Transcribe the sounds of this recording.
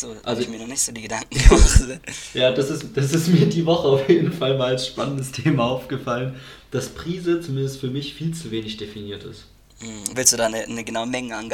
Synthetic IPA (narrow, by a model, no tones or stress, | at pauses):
z̥oːʔa̰lzomiɐnɔnɪçtz̥oːdiːɡədaŋk̚ŋ̩a | jaːd̥asɪsd̥as̬ɪstmiːɐdiːvɔχəaʊfjeːdn̩falmaːlalsʃpanəndəstʰeːmaaʊfɡ̥əfalənd̥aspʁ̥iːzət͡sumɪndəstfyːɐmɪçfiːlt͡suveːnɪçd̥efiniːɐtɪ̰st̩ | vɪlsd̥uːdaːnənəɡənaʊəmɛŋəanɡ